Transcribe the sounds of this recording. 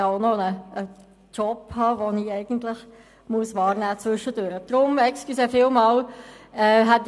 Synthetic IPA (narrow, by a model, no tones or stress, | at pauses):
ɑoʊnonəə | t͡ʃɔphɑːʋoniɛɪɡ̥ən̩tlɪx | muəsʋɑːɾnæːt͡svʏʃətøːɾəd̥ɾʊmɛksklysɛfɪːlmɑːlɛːɦɛt̪